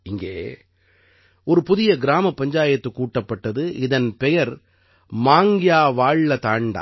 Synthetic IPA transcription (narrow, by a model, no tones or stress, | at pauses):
ɪŋɡḛː | ɔɾɯpʊðɪjɐɡɪɾaːmɐpːɐɲd͡ʒaːjɐt̪ːɯkːuːʈːɐpːɐʈːɐðɯɪðɐnpɛjɐɾ | maːŋɡɪjaːʋaːɻːɐt̪aːɳɖa̰ː